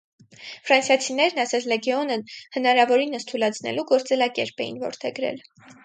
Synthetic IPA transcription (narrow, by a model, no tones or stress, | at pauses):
fɾɑnsjɑt͡sʰinɛɾnɑsɛt͡sʰlɛɡɛɔnəhənɑɾɑvɔɾinəst̪ʰulɑt͡sʰnɛ̰luɡɔɾt͡sɛlɑkɛɾpɛjḭnvɔ̰ɾt̪ʰɛɡɾɛ̰l